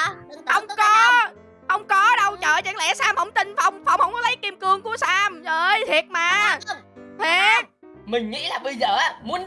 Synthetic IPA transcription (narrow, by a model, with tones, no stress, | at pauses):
hə˧wŋ͡mkɔ˨˦ | hə˧wŋ͡mkɔ˨˦ɗə˧wt͡ɕə̰ː˧˨˩t͡ɕa̰˧˥˩ŋlɛ̰˧˩saː˧mhə˧˩wŋ͡mt̪ï˧˩ŋ̟fa˧wŋ͡mfa˧wŋ͡mhə˧wŋ͡mkɔ˨˦lə˨˦jki˧mkɨ˧əŋku˧˩əsaː˧mʔəː˧˩jt̪ʰi˨˩ət̚maː˨ | t̪ʰe˨˩t̚ | mï˨˩ŋ̟ŋḭ˧˥laː˨˩ɓə˧jzəː˨˩ʔaː˨˦mu˨˦ən